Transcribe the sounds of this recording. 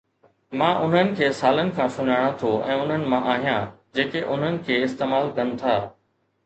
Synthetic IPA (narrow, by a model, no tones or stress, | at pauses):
mãːʔʊn̤ənɪ̆kʰeːsaːlənɪ̆kʰãːsʊɲaːɽ̃ãt̪ʰoʔɛ̰̃ːʊn̤ənɪ̆mãʔaːɦijãːd͡ʑeːkeʔʊn̤ənɪ̆kʰeːɪst̪eːmaːlkɐn̆t̪ʰaː